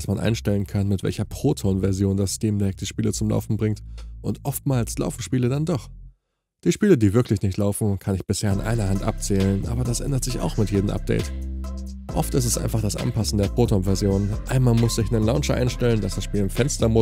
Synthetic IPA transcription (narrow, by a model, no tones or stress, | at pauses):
smanʔa̰ɪnʃtɛlənkʰanmɪtv̥ɛ̰lçɐpʁ̥oːtʰonvɛɐzjoːndastiːmdɛk̚d̥iːʃpiːlət͡sʊmla̰ʊfn̩bʁɪŋtʔʊntʔɔftmaːlsla̰ʊfn̩ʃpiːlədandɔχ | d̥iːʃpiːlədiːvɪɐkʰlɪçnɪçtlaʊfn̩kʰanɪçb̥ɪsheːɐɪnʔa̰ɪnɐɦhantʔa̰p̚t͡sɛːlənʔa̰ːbɐdasʔɛ̰ndɐtz̥ɪça̰ʊxmɪtjeːdəmʔa̰p̚d̥ɛ̰ɪt | ʔɔftʔɪstɛstʔa̰ɪnfaχd̥asʔa̰npʰasn̩deːɐpʁ̥oːtonvɛɐzjoːnʔaɪnmaːlmʊsz̥ɪçnənlaʊnʃʔa̰ɪnʃtɛləndasd̥asʃpiːlɪmfɛnstɐmʊ